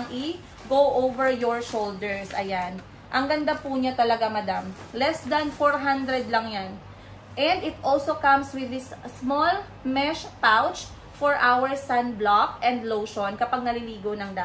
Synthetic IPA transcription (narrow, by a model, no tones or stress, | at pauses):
ŋʔɪ | ɡowʔowvɛɹjɔɹʃold̪ɛɹsʔɐjan | ʔɐŋɡɐnd̪apuːɲat̪ɐlɐɡamɐd̪amlɛsd̪ɐnfoɹɦãnd̪ɾɛd̪lɐŋjan | ʔɛ̃nd̪ɪt̪ʔɔlsokɐ̃mswɪðɪssmɔl | mɛʃpawt͡ʃ | fɔɹʔawɛɹsːaɐnblakʔɛnd̪lowʃonkɐpaɡ̚nɐliliːɡonɐŋd̪a